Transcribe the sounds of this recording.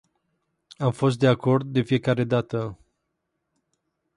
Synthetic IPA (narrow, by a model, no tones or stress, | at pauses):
amfo̞s̬t̪̚d̪e̞ako̞rd̪̚d̪e̞fije̞kaɾe̞d̪at̪ə